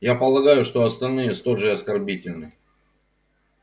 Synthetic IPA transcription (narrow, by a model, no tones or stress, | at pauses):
japəlˠɐɡajʊʂt̪o̞ɐst̪ɐlʲnɨjəst̪oʐɨɐskɐrbʲitʲɪlʲnɨ